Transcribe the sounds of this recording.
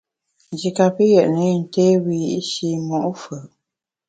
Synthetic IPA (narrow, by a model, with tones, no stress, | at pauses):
nd͡ʒi˨ka˨pə˦jɛ˨ʔnə˦˨n̩˨te˦wi˨ji˦˨ʔi˦ʃi˦mɔ˨ʔfə˨ʔ